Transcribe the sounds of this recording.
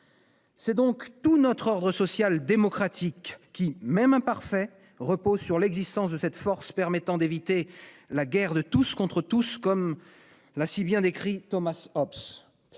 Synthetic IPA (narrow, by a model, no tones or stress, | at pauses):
sɛd̪ɔ̃kt̪unɔt̪χɔʁd̪ʁəsɔsjald̪emɔkχat̪ʰikːimɛmɛ̃paʁfɛ | ʁəpozsyʁlɛɡzist̪ɑ̃sd̪əsɛt̪fɔʁspɛʁmɛt̪ɑ̃d̪evit̪elaɡʲɛʁd̪ət̪uskɔ̃t̪χət̪uskɔm | lasibjɛ̃d̪ekχit̪ɔmasɔps